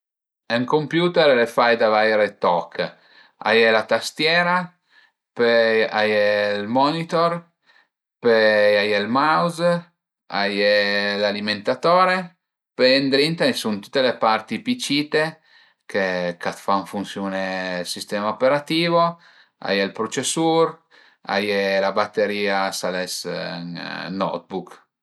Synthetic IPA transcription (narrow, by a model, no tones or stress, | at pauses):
ɛŋkompjuːt̪ɛɾlefajd̪avajɾet̪ɔkʰː | a̰jeɛlat̪ast̪jɛːɾa | peajɛlmɔnit̪or | peajelmawz | a̰jelaliment̪at̪oːɾe | pend̪ɾint̪aisunt̪u̥t̪ːelepaɾt̪ipit͡ʃiːt̪e | kekat̪faɱfunsjoːnelsist̪ɛːmaopeɾat̪iːvo | a̰jelpɾot͡ʃesuɾ | a̰jelabat̪ːeɾiːasalɛsnnɔ̰t̪̚buk